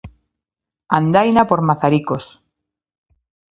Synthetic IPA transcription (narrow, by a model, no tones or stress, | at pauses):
and̪ajnapoɾmaθaɾikos